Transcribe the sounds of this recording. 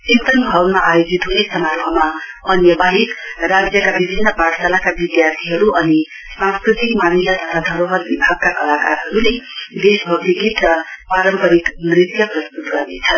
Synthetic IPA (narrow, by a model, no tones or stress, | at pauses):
t͡sint̪ʌnɡʱʌwnmaʔajod͡zit̪ɦunesʌmarpʰʌma | ʌnjʌbaɦikrad͡zjʌkabibʱinːʌpaʈsalakabid̪jart̪ʰiɦʌɾuʔʌni | sãskrit̪ikmanisat̪ʌt̪ʰad̪ʱʌɾoɦʌd̪̚bibʱaɡ̚kakʌlakaɾɦʌɾuled̪esbʱʌɡdiɡit̪rʌpaɾʌmpʌɾikmrit̪jʌprʌst̪ut̪ɡʌrnet͡sʰʌn